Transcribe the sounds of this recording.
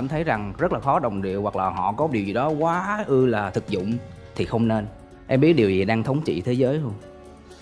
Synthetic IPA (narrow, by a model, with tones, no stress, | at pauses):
aː˧˩mt̪ʰə˨˦jza˨˩ŋzə˦˥t̚laː˨˩xɔ˨˦ɗə˨˩wŋ͡mɗḭ˨˧˨əwa˨˩k̚laː˨˩ɦɔ̰˧˨kɔ˨˦ɗi˨˩əwzi˨˩ɗɔ˨˦kwaː˨˦ʔɨ˧laː˨˩t̪ʰɨ˨˩k̚zʊ̰˧˨ŋ͡m | t̪ʰi˨˩xə˧wŋ͡mne˧n | ʔɛ˧mɓi˦˥ət̚ɗi˨˩əwzi˨˩ɗaː˧ŋt̪ʰə˨˦wŋ͡mt͡ɕḭ˧˨t̪ʰe˨˦zəː˨˦jho˧n